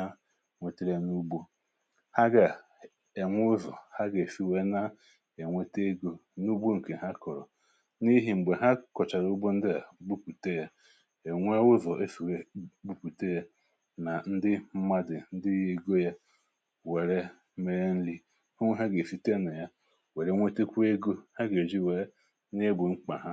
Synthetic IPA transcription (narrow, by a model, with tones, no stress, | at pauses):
a˦ | ŋʷe˨te˦ɾe˦nu˦bu˦ | ha˦ɡa˨ | e˨ŋʷʊ˦zɔ˨ha˦ɡe˨fi˨we˦na˦ | e˨ŋʷe˦te˦ɡo˦ | nu˦bu˦ŋ̩˨ke˨ɦa˦kɔ˨ɾɔ˨ | ni˦ɦi˨ŋ͡m̩˨ɡ͡be˨ɦa˦kɔ˨t͡ʃa˨ɾu˦bo˦n̩˦dɪ˦a˨˦ɡ͡bu˦pu˨te˦ja˦ | e˨ŋʷe˦ʊ˦zɔ˨ʔe˦fi˨we˨ɡ͡bu˦pu˨te˦ja˦ | na˨n̩˦dɪ˦m̩˦ma˦dɪ˨n̩˦dɪ˦je˦˨ɡo˦ja˦ | we˨ɾe˦ | me˨ɾe˦n̩˦li˦ | ha˦ŋʷe˦ɦa˦ɡe˨fi˦te˦na˨ja˦ | we˨ɾe˦ŋʷe˦te˦kʷe˦ɡo˦ha˦ɡe˨d͡ʒi˦˨we˦ | ne˦bʊ˨ŋ͡m̩˦k͡pa̰˨ɦa˦